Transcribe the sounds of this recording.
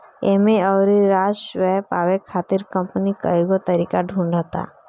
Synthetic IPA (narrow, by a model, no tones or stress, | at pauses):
emeɔːɾɾaːʃwɛɦpaːwekʰaːt̪ɪɾkə̃mpnikə̰iɡot̪əɾiːkaɖʱũːɳɖat̪a̰ː